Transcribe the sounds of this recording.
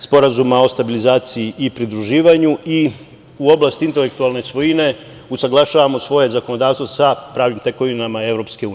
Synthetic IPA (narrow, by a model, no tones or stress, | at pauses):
spo̞ɾazumao̞st̪abilizaːt̪siiʔipɾid̪ɾuʒiːʋaɲui | uo̞blˠast̪int̪elek̚t̪ualˠne̞sʋo̞jine̞ | usaɡlˠaʃaʋamo̞sʋo̞je̞zako̞nod̪aːʋst̪vosapɾaːʋnimt̪e̞ko̞ʋinamae̞ʋɾo̞pske̞uːni